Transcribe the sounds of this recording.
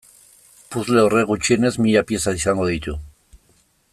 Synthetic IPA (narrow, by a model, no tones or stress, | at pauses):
puzle̞ore̞ɣut͡ʃie̞ne̞zmiʎapje̞saisaŋɡo̞ðit̪u